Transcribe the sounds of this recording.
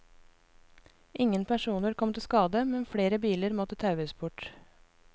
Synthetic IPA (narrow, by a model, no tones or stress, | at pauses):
ʔɪŋənpʰæʃuːnəɾkʰɔmt̪ɪskɑːd̪əmɛnfɽeːɾəbiːləɾmɔt̪ət̪ʰɑʉəsbʊʈ